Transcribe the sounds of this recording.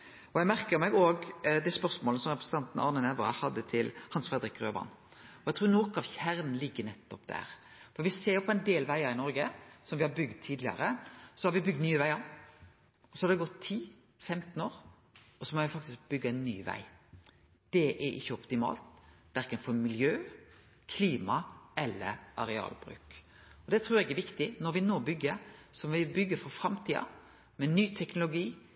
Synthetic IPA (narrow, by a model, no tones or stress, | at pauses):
ɔjæɪmæɾkəɾmæɡoːɡd̪æspœɾsmoːləsɔmɾɛpɾəsət̪ɑnt̪n̩ʔɑ̰ɾnənɛʋəɾɑ̰hɑd̪ːət̪ʰɪlhɑnsfɾɛd̪əɾɪkːɾøːʋɑ̰n | ɔæɡt̪ɾuːɾnoːkɑʋçæɾnn̩lɪɡːənɛt̪ːɔpd̪æ̰ːɾ | fɔɾʋɪseːɾpʰɔɛɪnd̪eːlʋæɪɑɾɪnɔɾɡəsɔmʋɪhɑɾbʏɡd̪̚t̪ʰiːd̪lɪɑ̰ɾəsɔhɑɾʋɪbʏɡ̚d̪nyːəʋæɪɑɾ | ɔsɔhɑd̪ɛɡɔt̪ʰːiː | fɛmt̪noːɾ | ɔsɔmoːʋɪfɑk̚t̪ɪsk̚bʏɡːəɛɪnːy̰ːʋæ̰ɪ | d̪̥ɛʔɛɾɪ̰çːəɔpt̪ɪmɑ̰ːlt̪ʋæɾkənfɔɾmɪljøː | kʰliːmɑɛlːə̰ɾʔɑɾɛɑ̰ːlbɾʉ̰ːk | ɔd̪ɛt̪ʰɾʉːɾɛɡɛɾʋɪkt̪ɪnɔɾʋɪnoːbʏɡːəɾsɔmʋɪbʏɡːəɾfɔfɾɑmt̪ʰiːɑ̰ | mɛnyːt̪ʰɛknʊlʊɡiː